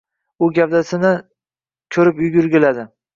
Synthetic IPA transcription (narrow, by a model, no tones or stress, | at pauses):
ʊɡʲavd̪asɪnɪ | kʲʰɵɾɪpjʊɡʲʊɾɡʲɪlad̪ɪ